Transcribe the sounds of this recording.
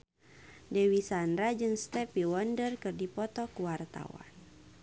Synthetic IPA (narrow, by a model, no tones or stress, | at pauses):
dɛwisanɾad͡ʒɨŋst̪ɛpiwɔndərkɨrdipɔt̪ɔkuwart̪a̰wa̰n